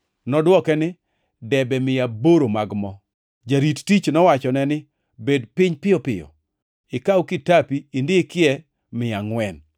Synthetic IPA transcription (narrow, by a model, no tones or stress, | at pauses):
nɔdwɔkɛnɪ | dɛbɛmɪjaboɾomaɡmɔ | d͡ʒaɾittit͡ʃnɔwat͡ʃɔnɛnɪ | bedpɪɲpɪjɔpɪjɔ̰ | ɪkawkɪtapiːndɪkɪɛ | mɪaŋwɛn